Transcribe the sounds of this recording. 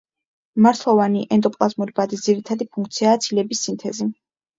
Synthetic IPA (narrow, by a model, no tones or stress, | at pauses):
maɾt̪ʰlˠɔvaniʔɛnd̪ʼɔpʼlˠazmuɾibad̪isd̪ziɾit̪ʰad̪ipʰuŋkʰt̪sʰiaːt̪sʰilɛbisːint̪ʰɛzi